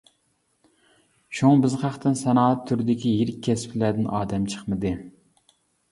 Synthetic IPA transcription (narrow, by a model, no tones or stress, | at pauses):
ʃuŋbɪzχɑχt̪ʰɨnsɛnɑːɛt̪ʰːyɾɪd̪ɪkʲijeɾɪkʲʰːɛspʰlæd̪ɪnʔɑːd̪ɛmt͡ʃʰə̥χmɨd̪ɨ